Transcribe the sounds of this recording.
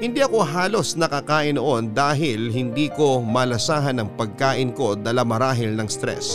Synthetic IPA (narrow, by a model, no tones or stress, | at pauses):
hɪnd̪iʔɐko̞ɦaːlo̞snɐkɐkaːʔɪnːoʔo̞nd̪aːɦɪlɦɪnd̪iːko̞mɐlɐsaːɦɐnɐŋpɐɡ̚kaːʔɪnko̞d̪aːlɐmɐɾaːɦɪlnɐŋst̪ɾɛ̰s